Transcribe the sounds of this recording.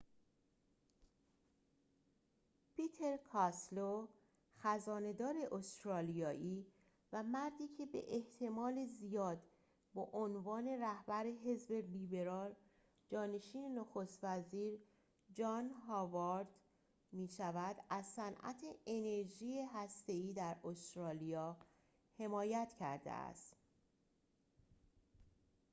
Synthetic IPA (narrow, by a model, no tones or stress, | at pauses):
pʰit̪ʰe̞ɾkʰɒslo | xæzɒːne̞d̪ɒːɾe̞ʔost̪ɾɒːlijɒːʔiː | væmæɾd̪iːcʰe̞bḛʔeht̪ʰe̞mɒːlezijɒːd̪ | bɒʔonvɒːne̞ɾæhbæɾe̞ɦe̞zbe̞libe̞ɾɒːl | d͡ʒɒːne̞ʃiːne̞noxo̞st̪væziːɾ | d͡ʒɒːnɦɒːvɒɾd̪̥ | miːʃævæd̪̥æzsænʔæ̰t̪ʰeene̞ɾʒiːeɦæst̪e̞iːd̪æɾost̪ɾɒːlijɒː | he̞mɒːjæt̪ʰcʰæ̰ɾd̪ḛæ̰st̪